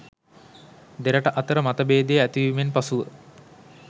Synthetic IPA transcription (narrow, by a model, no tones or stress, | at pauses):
d̪eɾəʈəʔɐt̪əɾəmat̪ɐbeːd̪ejæt̪iʋimenpasuʋə